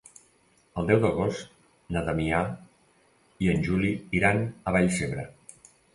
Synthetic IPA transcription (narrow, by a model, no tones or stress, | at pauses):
əlˠd̪ɛwðəɣ̞ost̪ | nat̪amia | iənʲʒuliiɾanəβaʎseβɾə